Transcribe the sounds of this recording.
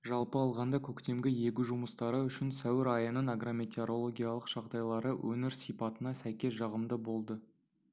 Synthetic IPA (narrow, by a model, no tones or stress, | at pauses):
ʒɑlˠpəɑlˠʁɑnd̪ɑkʲʰɵkt̪e̞mɡʲɪje̞kʲɪʒʊməst̪ɑɾəʏʃɪnsæwɪɾɑjənəɴaɡromʲet̪ʲeɾo̞lˠo̞ɡʲijɑlˠəqʒ̥ɑqd̪ɑjlˠɑɾəwʔɵnɪɾsijpɑt̪ənɑsæjkʲe̞sʒɑʁəmd̪əbo̞lˠd̪ə